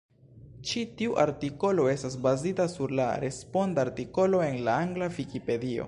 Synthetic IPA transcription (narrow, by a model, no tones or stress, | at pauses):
t͡ʃitiuʔa̰ɾtiko̞lo̞e̞stas̬bazitasuɾla̰ɾe̞spo̞ndaɾtiko̞lo̞e̞nlaaŋɡlavikipe̞dio̞̰